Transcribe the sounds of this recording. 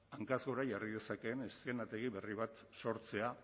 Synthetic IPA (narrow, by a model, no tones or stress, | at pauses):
aŋkazɣo̞ɾajarið̞e̞sake̞ːneste̞nat̪e̞ɣ̞iβe̞riβ̞at̪ | so̞ɾt͡se̞a